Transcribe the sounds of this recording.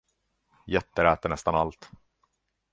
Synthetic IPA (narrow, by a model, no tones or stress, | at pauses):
jɛt̪ːəɾæːt̪əɳɛst̪analt̪